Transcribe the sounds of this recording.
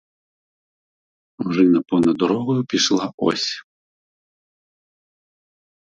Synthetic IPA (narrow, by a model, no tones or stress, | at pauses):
uʐɨnɐpɔnɐd̪ɔɾɔɣɔjupʲiʂlˠaɔ̰sʲ